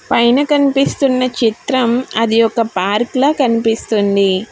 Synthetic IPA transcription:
pɐjnɐkɐnipist̪unːɐt͡ʃit̪ɾɐmɐd̪iɔkɐpaːɾklɐːkɐnipist̪und̪i

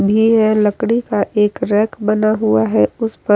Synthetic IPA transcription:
bʱiɦɛ̃lɐkɽ̃ikaʔeːkɾɛːkbɐnaɦuaɦɛʊspə

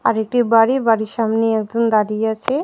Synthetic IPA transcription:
a̰ɾek̚ʈibaɽibaɽiʃamneɛkd͡ʒond̪aɾiat͡ɕʰe

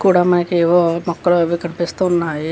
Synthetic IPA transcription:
kuːɽaːmɐnɐkeʋoːmɔkːɐluʋikɐnipist̪unːaːji

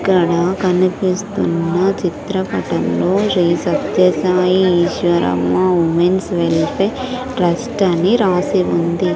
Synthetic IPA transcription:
kːɐɽɐkɐnipist̪ṵnːɐt͡ʃit̪ɾɐpɐʈɐmlo̞ːɾiːsɐt̪jɐsaːjiiːʃʋɐɾɐ̰mːɐumensʋelpe | ɾɐsʈɐniɾaːsiund̪i

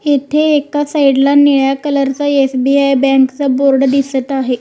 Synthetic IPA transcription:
et̪ʰeːkasaiɽlaniɭjakələɾt͡saesbiajbɛ̃ŋkt͡səboɾɽd̪isət̪aɦe

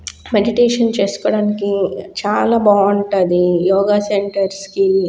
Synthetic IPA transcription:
meɖiʈeːʂɐnt͡ʃeːsu̥kɔːɽaːnikit͡ʃaːlaːbaːuɳʈad̪ijɔːɡaːseɳʈɐɾski

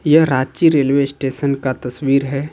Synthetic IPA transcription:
jɐɦɾaːd͡ʒt͡ʃiɾeːlʋesʈeːʃənkat̪ɐswiːɾɦɛː

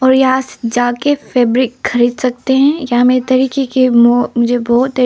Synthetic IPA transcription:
ɔːɾjaːsd͡ʒaːkefeːbɾɪkxɐɾiːd̪sɐk̚t̪eɦɛ̃jameːɾet̪ɐɾiːkekemɔmʊd͡ʒʱebɔːt̪ː

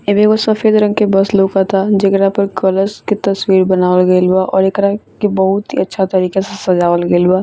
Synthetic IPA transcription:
jəbʱekosɐfeːd̪ɾə̃ŋɡkebɐslokat̪ʰad͡ʒekɾapəɾkɔləɾsket̪ɐswiːɾbɐnaːʋəlɡəeluaʔɔːɾekɾakebɐɦʊt̪ɦḭɐtːʃʰat̪ɐɾiːkesesɐd͡ʒaːʋəlɡəeluaː

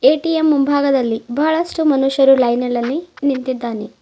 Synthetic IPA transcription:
eːʈijemːumbʱaːɡɐd̪ɐlːibʱaːɭɐʂʈumɐnuʃjɐɾulɐjnɐlɐlːinint̪id̪ːaːni

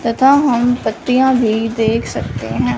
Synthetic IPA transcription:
t̪ɐt̪ʰaːɦɐmpət̪ːijãːbʱiːd̪eːkʰsɐk̚t̪ḛɦɛ̃ː

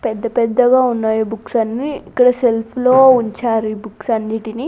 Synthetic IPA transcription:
pɛd̪ːɐpɛd̪ːɐɡaːunːaːjubuksɐnːiikːɐɽɐselpʰloːuɲt͡ʃaːɾibuksɐndiʈini

